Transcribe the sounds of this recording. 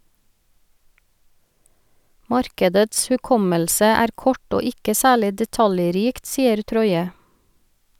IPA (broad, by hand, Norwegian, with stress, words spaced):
ˈmɑɾkədəts hʉˈkɔməlsə ˈæːɾ ˈkɔʈ ˈoː ˈɪkə ˈsæːɭɪ dɛˈtɑljˌɾiːkt ˈsiːəɾ ˈtɾɔʏə